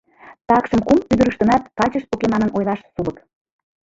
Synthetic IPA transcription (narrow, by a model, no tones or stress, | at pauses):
t̪ɑkʃəmkumpyd̪əɾəʃt̪ə̆nɑt̪̚kɑlʲt͡ɕəʃ̚pokemɑnənʔojlɑʃsulək